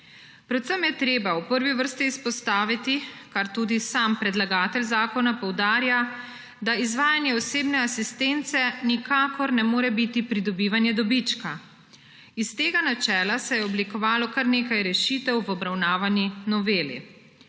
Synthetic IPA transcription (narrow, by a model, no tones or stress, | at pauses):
pɾɔt̪sɛmjɛt̪ɾeːbawpəɾʋiʋəɾst̪iːspɔst̪aːʋit̪ikaɾt̪uːd̪isaːmpɾɛd̪laɡaːt̪ɛlzaːkɔnapɔwd̪aːɾja | d̪aizʋaːjanjɛɔseːbnɛasist̪ent̪sɛnikakɔɾnɛmoːɾɛbit̪ipɾid̪ɔbiːʋanjɛd̪ɔbit͡ʃka | ist̪eːɡanat͡ʃɛːlasɛjɛɔblikɔʋaːlɔkaɾneːkajɾɛʃiːt̪ɛwʋɔbɾawnaːʋanjinɔʋeːlḭ